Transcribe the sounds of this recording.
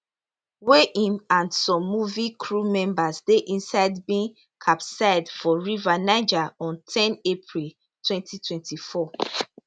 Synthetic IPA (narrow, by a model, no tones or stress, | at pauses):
weʔĩmãndsɔ̃mːuvikʰɹumɛ̃mbazdeʔĩnsaɪdbĩŋ | kʰapsaɪdfɔɹivanaɪd͡ʒaɔ̃ntʰɛ̃nepʰɹil | tʰwɛ̃ntʰitʰwɛ̃ntʰifɔ